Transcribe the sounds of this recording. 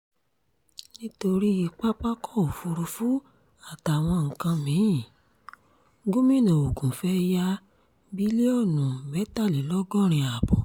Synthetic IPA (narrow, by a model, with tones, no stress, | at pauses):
nĩ˦to˧ɾi˦i˧k͡pa˦k͡pa˦kɔ˦˨o˨fu˧ɾu˧fu˦ | a˦˨ta˨w̃ɔ̃˧ŋ̩˨kã˧mĩ˨˦jĩ˦˨ | ɡo˦mĩ˦˨nã˨o˨ɡũ˨fɛ˦ja˦ | bi˦le˦ɔ˦˨nũ˨bɛ˨˦ta˦˨li˨˦lɔ˦ɡɔ˦˨ɾ̃ĩ˧a˨bɔ˨